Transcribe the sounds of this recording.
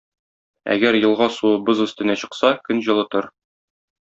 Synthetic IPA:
æ̰ɡæɾjɤ̆lˠʁɑsuɤbɤzɵ̆st̪ɘ̆næɕɤ̆qsɑkɵnʑɤ̆lˠɤ̆t̪ɤɾ

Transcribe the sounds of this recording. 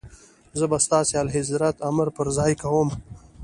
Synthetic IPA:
zəbast̪ɑːsealɦɪzɾat̪aməɾpəɾzaːjkawom

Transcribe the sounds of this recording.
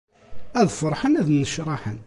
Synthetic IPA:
æðfəɾˤħənæðnəʃɾˤɑħən

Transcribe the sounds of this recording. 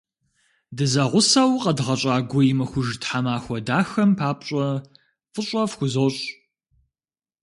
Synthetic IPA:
dɨzɐʁʷʊsawqɐdʁɐɕʼaːɡʷɔjɪmɐxʷʊʒtħamaːxʷɔdaːxɐmpʰaːp̚ʼɕʼɐ | fʼɨɕʼɐfxʷʊzoɕʼ

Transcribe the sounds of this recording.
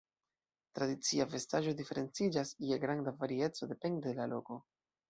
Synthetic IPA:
t̪ɾadit͡siave̞staʒo̞dife̞ɾe̞nt͡sid͡ʒasieɡɾandavaɾie̞t͡so̞de̞pe̞ndedelalo̞ko̞

